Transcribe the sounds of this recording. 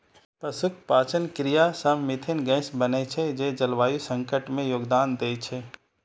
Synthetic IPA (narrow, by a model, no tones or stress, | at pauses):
pəsʊkʰpaːt͡ʃənkɾɪjasəmmːɪt̪ʰɪnɡɛ̃ːsbənet͡ʃʰed͡ʒeːd͡ʒɐlʋaːjusə̃ŋkəʈmẽjoːɡd̪aːnd̪eːt͡ʃʰeː